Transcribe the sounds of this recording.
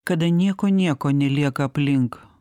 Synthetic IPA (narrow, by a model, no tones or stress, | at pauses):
kɐd̪ɐnʲiɛkoːnʲiɛkoːnʲɛlʲiɛkɐɐpʲlʲɪŋk